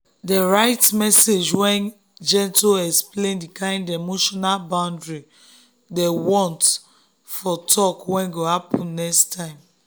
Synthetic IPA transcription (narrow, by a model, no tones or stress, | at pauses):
deɹaɪtmɛsed͡ʒwɛ̃n | d͡ʒɛ̃ntoɛksplẽndikãɪ̃ndemoʃɔnalbãʊ̃ndɹi | dewɔ̃nt | fɔtʰɔkwɛ̃nɡohapʰɔ̃nːɛstʰãɪ̃m